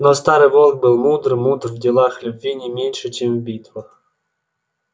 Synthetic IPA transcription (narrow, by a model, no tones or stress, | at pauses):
nost̪aɾɨvolˠk̚bɨlˠmud̪rmud̪rvdʲɪlˠaxlʲʊbʲvʲinʲɪmʲenʲʂɨt͡ɕemvbʲit̪vəx